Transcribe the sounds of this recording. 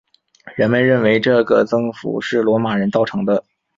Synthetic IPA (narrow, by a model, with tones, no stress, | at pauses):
ɻə˧˥nmə˧nɻə˥˩nwe˧˥ɪʈ͡ʂɤ˥˩ɡə˩t͡sɤ˥ŋfṵ˨˥˦ʂɻ̩˥˩lwɔ˧˥ma˨˩ɻə˧˥nt̪ɑ˥˩ʊʈ͡ʂʰɤ˧˥ŋd̪ə˧